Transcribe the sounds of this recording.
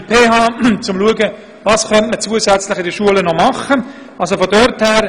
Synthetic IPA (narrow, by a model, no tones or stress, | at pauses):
pʰeːɦɑːt͡sʊmluəɡə | vɑːskœntmət͡suəsɛt͡slɪχɪdəʃuələnɔmɑχə | ɑls̬ofɔdœrthæːɾ